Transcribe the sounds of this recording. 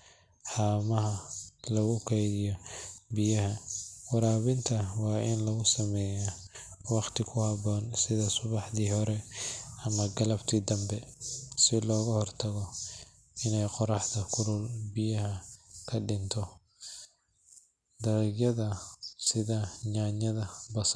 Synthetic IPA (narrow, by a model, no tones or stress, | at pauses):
ħɑːmɐɦɐlɐɣʊkʰɛjðɪjɔbɪjɐɦɐwɑɾaːβɪnt̪ʰɐwɑːʔɪnlɐɣʊsɐmɛːja | wɑqt̪ʰɪkʰʊhɑbɔːnsɪðɐsʊβɑħðiːhɔɾɛɐmɐɡɐlɐbt̪ʰiːd̪ɐmbɛsɪlɔːɣɐhɔrt̪ʰɐɣɔ | ɪnɛjqɔɾɑħd̪ɐkʰʊɾʊlbɪjɐhɐkʰɐɖɪnt̪ʰɔ | d̪ɐɾɛɡjɐðɐsɪðɐɲaːɲɐðɐbɐs